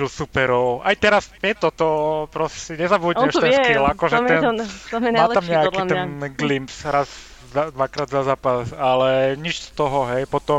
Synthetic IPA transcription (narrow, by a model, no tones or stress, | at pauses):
ilsupɛɾɔʊajt̪ɛɾasɛt̪ɔt̪ɔpɾɔssiɲɛzabudɛʃt̪ɛkilakɔʒɛt̪ɛnɛmaːt̪amɲɛakit̪ɛnɡlimpsɾaz | zad̪ʋakɾaːd̪zazaːpasalɛɲit͡ʃst̪ɔɦɔɦɛjpɔt̪ɔ